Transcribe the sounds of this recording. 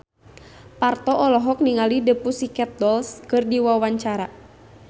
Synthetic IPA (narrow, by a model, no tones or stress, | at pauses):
part̪ɔʔɔlɔɦɔk̚niŋalidəpusikɛt̪̚dɔlskɨrdiwawaɲt͡ʃaɾa